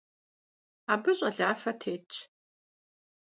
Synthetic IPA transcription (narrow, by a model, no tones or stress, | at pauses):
aːbɨɕʼɐɮaːfɐtʰeːt͡ʃʰʼ